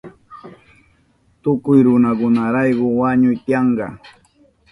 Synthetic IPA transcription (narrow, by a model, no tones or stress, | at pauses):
t̪ʊkʊjɾʊnakʊnaɾɑjɢʊwaɲʊjt̪ɪjɑɴɢɑ̰